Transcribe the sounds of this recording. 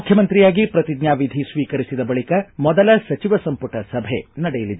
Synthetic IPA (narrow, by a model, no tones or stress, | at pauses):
ukʰjɐmɐnt̪ɾijaːɡipɾɐt̪id̪ɲaːʋid̪ʱisʋiːkɐɾisid̪ɐbɐɭikɐmɔd̪ɐlɐsɐt͡ʃiʋɐsɐmpuʈɐsɐbʱḛnɐɽɛjɐlid̪e